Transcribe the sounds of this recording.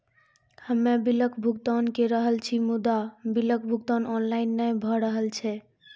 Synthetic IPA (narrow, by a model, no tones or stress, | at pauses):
həmːebiləkʰbʱuɡt̪ɔnkeɾəɦəlt͡ʃʰimud̪abilək̚ʰbʱuɡt̪anɔnlainːəjbʱɔɾəɦəlt͡ʃʰɛ